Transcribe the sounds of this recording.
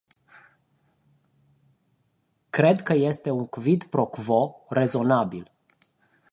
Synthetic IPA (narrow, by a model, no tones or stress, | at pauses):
kɾe̞d̪kəje̞st̪e̞uŋkvid̪pɾo̞kvo̞re̞zo̞nabil